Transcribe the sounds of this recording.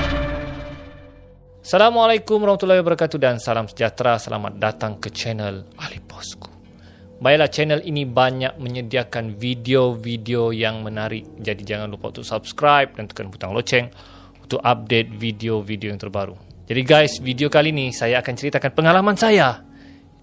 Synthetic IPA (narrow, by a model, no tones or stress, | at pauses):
asalamalajkumɾahmat̪ulaibəɾkat̪udansalamsəd͡ʒat̪ɾasəlʔa̰ma̰t̪̚dat̪aŋkət͡ʃɛnəlalipɔ̥sku̥ | bajaʔlaht͡ʃɛnəlinibaɲak̚mə̃ɲədiakanvideovideojaŋmə̃naɾɪk̚d͡ʒadid͡ʒaŋanlupɔ̰ʔt̪uʔsab̚skɾajp̚dant̪u̥kanbut̪aŋlot͡ʃɛŋ | ut̪uʔap̚det̪̚videovidiojaŋt̪ərbaɾud͡ʒadiɡajsvidiokalinisajaːkant͡ʃəɾit̪akanpəŋalamansaja